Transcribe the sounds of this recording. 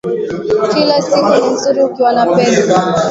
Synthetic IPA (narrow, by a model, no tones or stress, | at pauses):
kilasikunim̩zuɾiukiwanapɛsa